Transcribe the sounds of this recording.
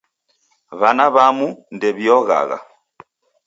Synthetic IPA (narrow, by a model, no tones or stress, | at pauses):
βanaβamundɛβjɔɣa̰ɣa̰